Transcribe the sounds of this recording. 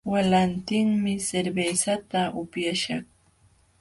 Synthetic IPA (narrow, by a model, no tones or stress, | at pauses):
walant̪ɪŋmɪseɾbejsat̪aʔʊpjaʃɑχ